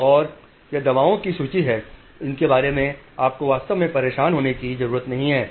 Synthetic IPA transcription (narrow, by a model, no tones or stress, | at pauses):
ɔːɾ | jed̪ɐbaːõkisuːt͡ʃiɦɛː | ɪnkebaːɾemẽaːp̚koʋaːst̪əʋmẽpɐɾeːʃaːnɦoːnekizɐɾuːɾət̪nɐɦĩɦɛː